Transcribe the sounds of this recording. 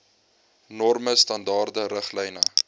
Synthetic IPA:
nɔrməstɐndɑːrdəɾəχlɛjnə

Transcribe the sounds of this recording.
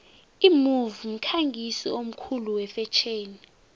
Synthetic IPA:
imuvum̩kʰaŋɡʱisiom̩kʰuluwɛfɛt͡ʃʰeːni

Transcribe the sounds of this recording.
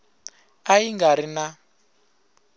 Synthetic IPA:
aiŋɡaɾina

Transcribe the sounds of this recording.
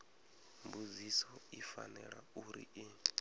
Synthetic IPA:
mbud͡zisɔifa̰nɛɺauɾḭʔi

